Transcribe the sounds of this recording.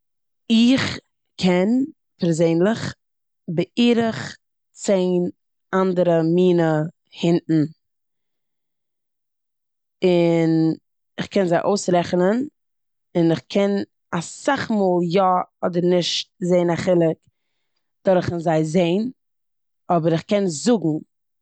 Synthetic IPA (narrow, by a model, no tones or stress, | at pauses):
ɪχ | kʰɛn | pɛɾzeɪnlˠɪχ | bəʔiːɾəχ | t͡seɪn | andəɾəmiːnə | hɪntn̩ | ɪn | ɪχkʰɛnzaɪʔoʊsɾɛχnən | ɪnɪχkʰɛn | asaχmoːlˠjɔɔdəɾnɪʃtzeɪnaχɪlˠɪk | d̥ɔɾχənzaɪzeɪn | ɔbəɾɪχkɛnzʊɡŋ̩